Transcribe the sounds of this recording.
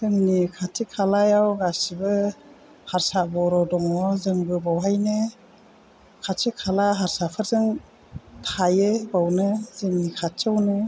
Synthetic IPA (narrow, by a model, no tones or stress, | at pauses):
zɯŋnikʰatʰikʰalajawɡasibɯ | haɾsabɔɾɔdɔŋɔzɯŋbɯbawɦajnɯ | kʰatikʰalaɦaɾsapʰɯɾzɯŋ | tʰajebawnɯzɯŋnikʰat͡ʃawnɯ